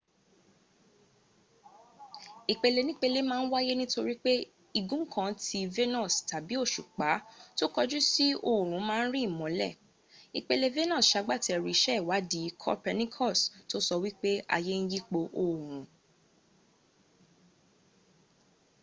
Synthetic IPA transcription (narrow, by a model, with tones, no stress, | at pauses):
i˨k͡pe˧le˧nĩ˦k͡pe˧le˦mãː˦n̩˦wa˦je˦nĩ˦to˧ɾi˦k͡pe˦ | i˧ɡũ˦kʰã˧ti˧ve˦nɔ̃˦˨sta˨bi˨˦o˦˨ʃu˨k͡pa˨˦to˦kɔ˧d͡ʒu˦si˦o˨ɾ̃ũ˨˦mãː˦˧n̩˦ɾi˦˨mɔ̃˨˦lɛ˦˨ | i˨k͡pe˧le˧ve˦nɔ̃˦˨sʃa˨˧˦ɡ͡ba˦˨tɛ˧˨ɾi˨˧ʃɛ˦i˦˨wa˨˦di˨˦kʰɔ̰˦pɛ˧nĩ˦kʰɔ˦˨sto˦sɔ˧wi˦k͡pe˦a̰˧je˦n̩˦ji˦k͡po˧ʔo˨ɾ̃ũ˨˦